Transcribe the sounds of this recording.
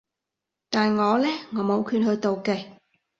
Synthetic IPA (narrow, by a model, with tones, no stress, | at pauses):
t̪aː˨nŋɔː˨˧lɛː˥ŋɔː˨˥mo˨˧˥wkʰyː˧n̚hɵ˧jt̪o˨wke˨˧˩j